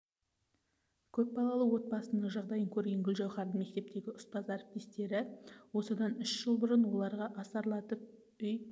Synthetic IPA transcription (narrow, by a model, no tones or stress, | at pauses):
kʲʰɵp̚bɑlˠɑlˠəwo̞t̪̚bɑsənəɴʒɑʁd̪ɑjəŋkʲʰɵɾɡʲe̞ŋɡʲʏlʒɑwχɑɾd̪əɴme̞k̚t̪e̞p̚t̪e̞ɡʲɪʊspɑzɑɾp̚t̪ist̪e̞ɾɪwo̞səd̪ɑnʏʃʒ̥əlˠbʊɾənwo̞lˠɑɾʁɑʔɑsɑɾlˠɑt̪əp̚ | ʏj